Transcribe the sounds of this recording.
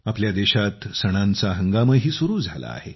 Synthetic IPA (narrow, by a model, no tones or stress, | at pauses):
apljad̪eɕat̪səɽ̃ãnt͡saɦəŋɡaməɦiːsuɾuːd͡zʱala̰a̰he